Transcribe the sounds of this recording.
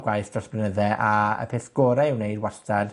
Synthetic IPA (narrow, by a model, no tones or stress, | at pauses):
ɡwajθd̥rɔsbrənəðɛʔaə̰pʰeːθɡ̥oːɾaɪwnejdwastʰad̥